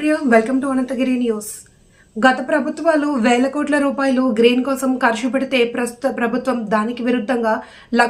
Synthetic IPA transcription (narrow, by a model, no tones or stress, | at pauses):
jaːʋelkɐmʈuɐnɐnt̪ɐɡɾiːnjuːs | ɡɐt̪ɐpɾɐbʱut̪ʋaːluʋɛːɭɐkoːʈlɐɾuːpaːjɐluːɡɾiːnkɔːsɐmkɐɾʃupɐɽit̪e̞ːpɾɐst̪u̥t̪ɐpɾɐbʱut̪ʋɐmd̪aːnikiʋiɾud̪ʱːɐŋɡaː | lɐ